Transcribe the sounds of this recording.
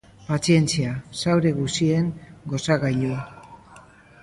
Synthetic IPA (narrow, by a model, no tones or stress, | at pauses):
pat͡sie̞nt͡siasawɾe̞ɣusie̞ŋɡo̞saɣajʎu